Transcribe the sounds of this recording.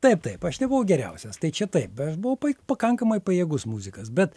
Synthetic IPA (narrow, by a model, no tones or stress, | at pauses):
t̪ɐɪpt̪ɐɪpɐʃnʲɛbʊʋɐʊɡʲɛɾʲɛʊsʲɛst̪ɐɪt͡ʃʲɛt̪ɐɪp̚ɐʃbʊɐʊpɐpɐkɐŋkɐmɐɪpɐjiɛːɡʊsmuːzʲɪkɐsbʲɛt̪